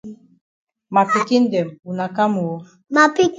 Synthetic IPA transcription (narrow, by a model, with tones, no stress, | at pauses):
ma˨pi˨ki˦n̩˦dɛ˨mu˨na˨ka˦mu˨wo˦ | ma˨pi˦k